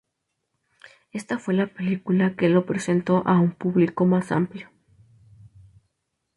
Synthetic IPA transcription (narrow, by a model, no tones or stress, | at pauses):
e̞st̪afwe̞lapelikulakelopɾesent̪oʔaumpuβlikomasa̰mpljo